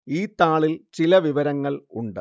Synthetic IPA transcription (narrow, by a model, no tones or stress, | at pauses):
iːt̪ːaːɭilt͡ɕilɐʋiʋɐɾɐŋːɐɭuɳɖɨ